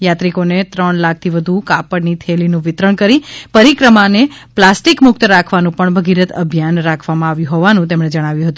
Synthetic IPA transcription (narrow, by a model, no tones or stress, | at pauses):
jat̪ɾikonet̪ɾəɳlak̚ʰt̪ʰiʋəd̪ʱukapəɽnit̪ʰelinũʋɪt̪ɾəɳkəɾipəɾikɾəmaneplasʈikmʊkt̪əɾakʰʋanũpəɳbʱəɡiɾət̪ə̰bʱjanɾakʰʋamãaʋjũɦoʋanũt̪emɳ̃ed͡ʒəɽ̃aʋjũɦət̪ũ